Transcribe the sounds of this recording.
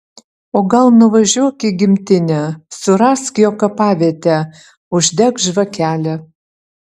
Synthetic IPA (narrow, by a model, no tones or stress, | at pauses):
oɡɑlˠnuvɐʒuɔkʲiɡʲimʲt̪enʲæsuɾɑskjokɑpɑβʲet̪ʲæ | uʒd̪ʲækʒvɤkʲʰælʲɘ̆